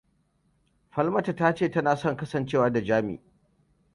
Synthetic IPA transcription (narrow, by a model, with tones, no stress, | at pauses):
ɸɐ˦lmɐ˦ta˨taː˦t͡ʃeː˦˨tɐ˦naː˨sɔ˦˨ŋkɐ˦sɐ˨nt͡ʃeː˦˨waː˦da˨d͡ʒaː˦mḭː˨